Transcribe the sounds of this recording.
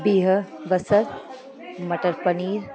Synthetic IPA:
biːɦəʋəsəɾ | mɐʈəɾpɐniːɾ

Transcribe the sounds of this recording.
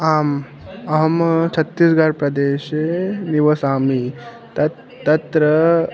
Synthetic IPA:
aːm | ɐɦɐmt͡ʃʰɐt̪ːisɡaːɾpɾɐd̪eːʃeniʋɐsaːmi | t̪ɐ | ɐt̪ɾɐ

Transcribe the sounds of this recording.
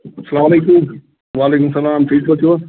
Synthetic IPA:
sɐlaːmɐleːkum | ʋaːleːkʊmsɐlaːmfʰiːskot̪ʰijo

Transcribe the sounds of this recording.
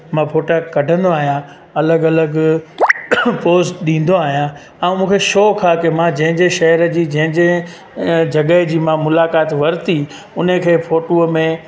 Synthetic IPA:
mãpʰoːʈakkɐɖʱə̃nd̪oaːɦijã | ɐləɡɐləɡ | poːsʈɗĩːn̆d̪oaːɦijã | ɛ̃ũmũːkʰeʃoːkʰaːkemãd͡ʑɐ̃ɦɪ̃ɲd͡ʑeʃɐɦəɾəd͡ʑiːd͡ʑɐ̃ɦɪ̃ɲd͡ʑe | d͡ʑɐɠəɦd͡ʑiːmãmʊlaːkaːt̪ʋɐɾɪt̪i | ʊn̤əkʰeːfoːʈoːmẽ

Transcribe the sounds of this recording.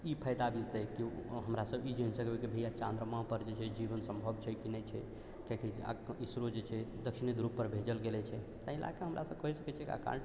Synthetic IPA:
ipʰəjd̪abilt̪ɛkiɦəmɾasəbid͡ʒənsəkbɛkibʱəjat͡ʃãnd̪ɾəmãpəɾd͡ʒet͡ʃʰɛd͡ʒibənsə̃mbʱəbt͡ʃʰɛkinɛt͡ʃʰɛ | kɛkʰɛsa̰isɾod͡ʒet͡ʃʰɛd̪əkʃinid̪ɾupːəɾbʱed͡ʒəlɡelɛt͡ʃʰɛ | t̪əila̰keɦəmɾʔa̰səb̚kəɦisəkɛt͡ʃʰɛkia̰ka̰ɾəɳ

